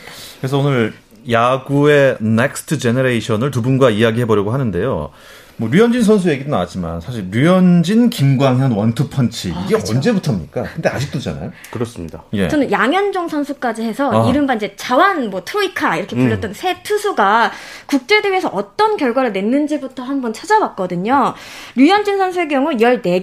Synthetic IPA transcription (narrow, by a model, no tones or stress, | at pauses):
kɯɾe̞s̬ʰʌonɯɾ | jaɡue̞nek̚sʰtʰɯd͡ʑe̞neɾeiɕʰʌnɯɭtubunɡwaijaɡiɦe̞bʌɾjʌɡoɦanɯnde̞jo̰ | mwʌɾiʌnd͡ʑins̬ʰʌns̬ʰuje̞ɡidona̰wat̚t͡ɕ͈ima̰nsʰaɕ̬ʰiɭɾiʌnd͡ʑinkimɡwaŋɦjanwʌntʰɯpʰʌnt͡ɕʰiiɡe̞ʌnd͡ʑe̞butʰamɲḭk͈akɯnde̞a̰d͡ʑik̚t͈od͡ʑa̰na̰jokɯɾʌs͈mɲidaje̞̰t͡ɕʌnɯnjaŋjʌnd͡ʑoŋsʰʌnsʰuk͈ad͡ʑihe̞sʰʌiɾɯmbanid͡ʑe̞t͡ɕawanmwʌtʰɾoikʰaiɾʌkʰepuʎːʌt͈̚ʌnsʰe̞tʰusʰuɡakuk̚t͡ɕ͈e̞dɯesʰʌʔʌt͈ʌnkjʌɭɡwaɾɯɭne̞nːɯnd͡ʑibutʰʌhanbʌnt͡ɕʰad͡ʑawak̚k͈ʌdɯɲoɾijʌnd͡ʑinsʰʌnsʰuek̬jʌŋujʌɭne̞